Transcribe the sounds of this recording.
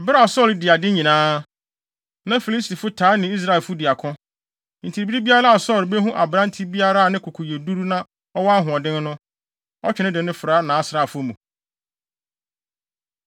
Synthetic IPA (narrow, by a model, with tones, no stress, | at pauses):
bɪ˦ɾa˨sɔ˦˨ldɪ˨a˨dɪ˦ɲĩ˨nãː˦ | nã˦fi˨li˦sti˨fʊ˦tʰaː˨˦nɪ̃˨˦i˦s̬ɾa˦e˨lfʊ˦dɪ˨a˨kʰʊ̃˦ | n̩˨tʰi˨ɾbi˦ɾi˦bi˦a˦ɾa˦a˨sɔ˦˨lbe˦ɦũ˦ʔa˨bɾã˦n˦tʰi˦bi˦a˦ɾa˦a˨nɪ̃˦kʰʊ˨kʰʊ˨je˨du˦ɾu˦nã˦ | ɔ˦wɔ˦a˦ɦʊ̃˨ɔ˨dɪ̃˦n˦nʊ̃˦ | ɔ˦t͡ɕᶣɪ˨nɪ̃˦dɪ̃˨nɪ̃˦fɾaː˦nãː˨˦sɾaː˦˨fʊ˦mũ˨